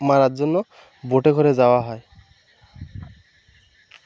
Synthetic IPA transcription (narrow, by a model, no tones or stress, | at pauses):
maɾatzɔnːɔ | boʈeɡʱɔɾezaoaɦɔj